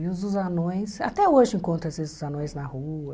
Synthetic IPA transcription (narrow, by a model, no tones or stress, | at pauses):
uzuzanõj̃sa̰t̪ɛoʒɪĩŋkõnt̪ɾɐ̃esezuzanõj̃znahuɐ